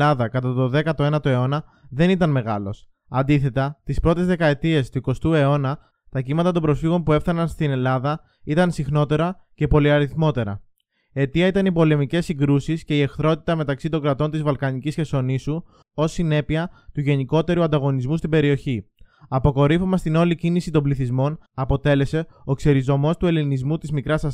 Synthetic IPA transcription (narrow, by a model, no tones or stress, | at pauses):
ɐðɐkɐt̪ɐt̪o̞ðe̞kɐt̪o̞e̞nɐt̪o̞e̞o̞nɐ | ðe̞nit̪ɐnme̞ɣɐlo̞s | ɐnd̪iθe̞t̪ɐt̪ispɾo̞t̪e̞zðe̞kɐe̞t̪ie̞st̪uiko̞st̪ue̞o̞nɐ | t̪ɐcimɐt̪ɐt̪o̞mbɾo̞sfiɣo̞npue̞fθɐnɐnst̪ine̞lɐðɐ | it̪ɐnsixno̞t̪e̞ɾɐce̞po̞liɐɾiθmo̞t̪e̞ɾɐ̰ | e̞t̪iɐit̪ɐnipo̞le̞mice̞siŋɡɾusisce̞ie̞xθɾo̞t̪i̥t̪ɐme̞t̪ɐksit̪o̞ŋɡɾɐt̪o̞nt̪izvɐlkɐnicisçe̞so̞nisu | o̞sːine̞piɐt̪uʝe̞niko̞t̪e̞ɾuɐnd̪ɐɣo̞nizmust̪ibe̞ɾio̞çiɐpo̞ko̞ɾifomɐst̪ino̞licinisit̪o̞mbliθizmo̞nɐpo̞t̪e̞le̞se̞o̞kse̞ɾizo̞mo̞st̪ue̞linizmut̪izmikɾɐsɐ